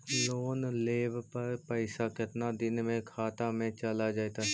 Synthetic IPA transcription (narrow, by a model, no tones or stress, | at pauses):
loːnleːbpɐɾpɛɪsakɪt̪nad̪ɪnmẽkʰaːt̪amẽt͡ʃɐlad͡ʒaːjt̪a